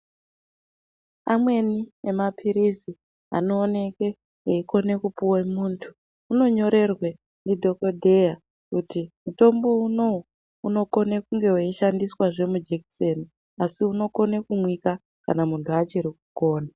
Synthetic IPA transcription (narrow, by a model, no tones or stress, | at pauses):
amwe̞niemapʰiɾisi | a̰no̞ːne̞ke̞ | eiko̞ne̞kupuwemuːntʰu̥ː | no̞ɲo̞ɾe̞rwe | ndidʱo̞kodʱe̞ja | kutimuto̞mbo̞uno̞ | uno̞ko̞nekuŋɡe̞weiʃandiswaʐe̞mud͡ʒekse̞ni | asiuno̞ko̞ne̞kumwika | ka̰namuntʰuat͡ʃiɾikuko̞ːna